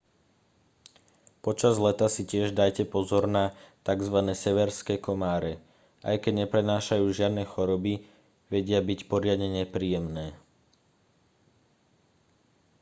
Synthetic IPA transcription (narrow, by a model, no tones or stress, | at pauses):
pɔt͡ʃazlɛt̪asicɪɛʒd̪ajcɛpɔzɔɾnat̪aɡzʋanɛːsɛʋɛɾskɛːkɔmaːɾɛ | ʔa̰jkɛɟɲɛpɾɛnaːʃajuːʒɪad̪nɛːxɔɾɔbi | ʋɛɟɪabicpɔɾɪad̪ɲɛɲɛpɾiːjɛmnɛː